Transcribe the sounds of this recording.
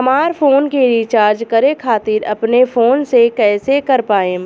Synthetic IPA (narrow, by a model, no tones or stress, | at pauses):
ɦɐmaːɾfʰoːnkeɾit͡ʃaːɾd͡ʒkɐɾẽkʰaːt̪ɪɾɐ̰pnefʰoːnsekɛːsekɐɾpaːẽ